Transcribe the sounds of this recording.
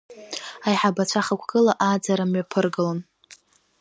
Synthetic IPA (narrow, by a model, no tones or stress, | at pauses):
ajħabat͡ɕʷʰaχakʷʰɡ̥ɨlaʔad͡zaɾamɥapʰɨrɡɨlon